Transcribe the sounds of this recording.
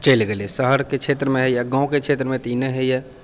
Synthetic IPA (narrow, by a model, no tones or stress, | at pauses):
t͡ʃəɪlɡelesəɦəɾket͡ʃʰet̪ɾəmeɦəjaɡãũket͡ʃʰet̪ɾəmet̪ineɦəjɛ